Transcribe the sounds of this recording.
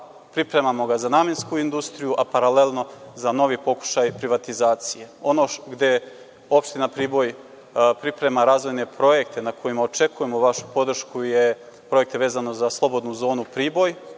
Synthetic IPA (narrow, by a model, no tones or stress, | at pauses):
pɾipɾe̞mamo̞ɡazanaːmjenskuind̪ust̪ɾijuʔapaɾale̞lno̞zano̞ʋipo̞ku̥ʃajpɾiʋat̪izaːt̪sije̞o̞no̞ɡd̪e̞ | o̞pʃt̪inapɾiːbo̞j | pɾipɾe̞maɾaːzʋo̞jne̞pɾo̞je̞kt̪e̞nakʰo̞jimaot͡ʃe̞kuje̞mo̞ʋaʃu̥po̞d̪r̩ʃkuje̞ | pɾo̞je̞k̚t̪eʋe̞ːzano̞zaslˠo̞bo̞d̪nuzo̞ːnupɾiːbo̞j